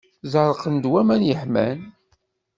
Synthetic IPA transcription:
zəɾˤəqənd̪wæmænjəħmæ̰n

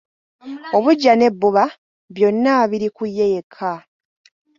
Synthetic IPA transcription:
o̞βuɟːane̞bːuβa | βjo̞nːaβiɾikujːeːkʰːa

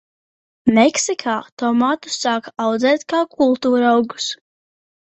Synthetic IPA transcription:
mɛksikʰaːt̪ɔmaːt̪u̥sːaːkawd̪zɛːt̪kaːkʰulˠt̪uːɾawɡu̥s

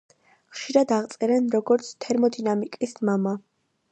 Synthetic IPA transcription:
χʃiɾad̪aʁt̪sʼɛɾɛnɾɔɡɔɾt̪sʰt̪ʰɛɾmɔd̪inamikʼismama

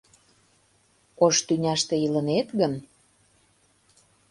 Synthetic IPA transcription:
koʃt̪ynʲɑʃt̪ĕilə̆net̪ɣən

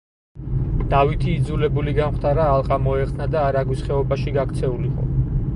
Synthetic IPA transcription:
d̪̥avit̪ʰiːd̪zulɛbuliɡamχt̪ʰaɾaːlˠqʼamɔɛχsnad̪aːɾaɡwisχɛɔbaʃiɡakʰt̪sʰɛuliqʼɔ̰

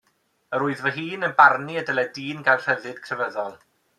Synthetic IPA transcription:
əɾʊːɨðvəɦiːnənbarniədəlˠɛdiːnɡanr̥ɛðɨd̥kʰrəvəðɔlˠ

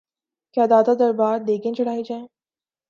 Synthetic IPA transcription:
kjaːd̪aːd̪ad̪ɐɾbaːɾd̪eːkẽt͡ʃɐɽ̤aːid͡ʒaːẽ

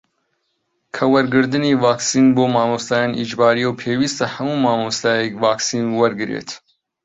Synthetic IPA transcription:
kʰɐwɐɾɡɨɾd̪ɨniːvaːksiːnboːmaːmost̪aːjaːnid͡ʒbaːɾijɛwpʰeːwiːst̪ɐhɐmuːmaːmost̪aːjɛkvaːksiːnwɐɾɡɨɾḛːt̪

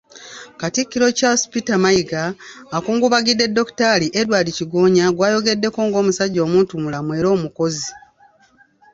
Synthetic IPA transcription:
katikːiɾo̞caspitamaiɡaːkuːŋɡuβaɡidːe̞dːo̞ku̥taliʔedwaːliciɡo̞ːɲaɡwaːjo̞ɡe̞dːe̞ko̞ːŋɡo̞ːmusaɟːo̞ːmuːntumulamwe̞ːɾo̞ːmuko̞zi

